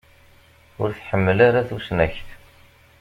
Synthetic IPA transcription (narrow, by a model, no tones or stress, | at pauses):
ʊɾθħəmːəlaɾaθusnæçθ